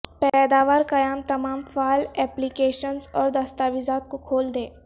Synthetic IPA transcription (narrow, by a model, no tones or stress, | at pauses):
pɛd̪aːʋaːɾkɐjaːmt̪ɐmaːmfaːlɛːplikeːʃənzɔːɾd̪ɐst̪aːʋɪzaːt̪̚kokʰoːld̪eː